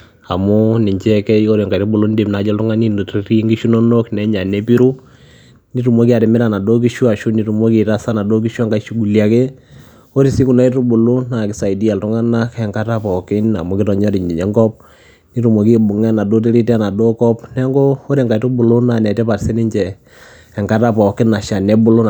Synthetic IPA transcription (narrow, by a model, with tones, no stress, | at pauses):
a˨mo˦nɪ˨ɲt͡ʃɛ˦kɛ˦jo˦ɾe˨ŋka˨to˦bu˨lo˦nde˨mna˨˦d͡ʒɛ˦ltʊ˦ŋa˦ni˦n˨te˦ɾi˦ŋɡi˦ʃu˦no˦no˦knɛ˦ɲa˨ne˦pi˦ɾu˦ | ni˦tu˨mo˦ki˦a˨ɾɪ˨mɪ˦ɾa˨na˨do˦k̬i˦ʃu˦a˨ʃu˦ni˨˦tu˨mo˦ki˨ta˦sa˦na˨do˦k̬i˦ʃwa˦ŋɡa˦ʃu˦ɡu˨lja˨ke˦ | o˦ɾi˨si˦ku˨na˦i˦tu˦bʊ˨lo˦na˨kɪ˨˦sa˨i˨di˦a˨ltʊ˦ŋa˦na˦kɛ˨ŋka˦ta˦pɔ˨kɪ˦na̰˨mo˦kɪ˦tɔ˨ɲɔ˦ɾi˨ɲd͡ʒi˨ɲɛ˦ŋɡɔ˦p̚ | ni˦tu˨mo˨ki˦bʊ˨ŋɛ˦na˨do˦t̬e˦ɾi˦tɛ˦na˨do˦kɔ˦pnɛ˦ŋɡo˦o˦ɾɛ˨ŋɡa˨itu˦bʊ˨lʊ˦na˨nɛ˨tɛ˦pa˨ɾsɛ˦nɪ˦ɲt͡ʃɛ˨ | ɛ˨ŋka˦ta˦pɔ˨kɪ˦na˨ʃa˨nɛ˦bʊ˦lʊ˦